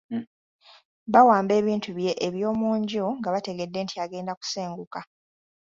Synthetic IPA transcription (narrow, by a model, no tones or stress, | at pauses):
βawaːmbe̞ːβiːntuβje̞ʔeβjo̞ːmuːɲɟoŋɡaβate̞ɡe̞dːe̞ːntʰiaɡe̞ːndaku̥seːŋɡuka